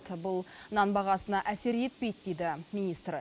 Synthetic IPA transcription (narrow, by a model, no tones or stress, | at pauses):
t̪bʊlˠnɑnbɑʁɑsənɑʔæse̞ɾje̞t̪̚pejt̪d̪ejd̪ɪmʲinist̪r